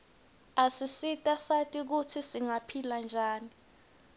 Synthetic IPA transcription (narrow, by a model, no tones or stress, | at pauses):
asisitʼasatʼik̬utʰisiŋapʰiland͡ʒʱaːni